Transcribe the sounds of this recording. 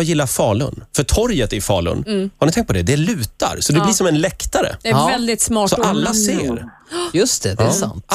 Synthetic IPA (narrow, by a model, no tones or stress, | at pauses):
ajɪlːafɑːɭɵ̰nfœʈʰɔɾjət̪ɛɾfɑːɭɵ̰nhaɾɳɪt̪ɛ̃ŋkt̪̚pʰɔd̪ɛd̪ɛlʉ̟ːt̪a̰ɾsɔd̪ɛlɪʂɔmɛnlɛkt̪aɾə̰dɛvɛld̪ɪt̪smɑːsɔʔalːaseːɾ | jɵst̪ɛdɛsant̪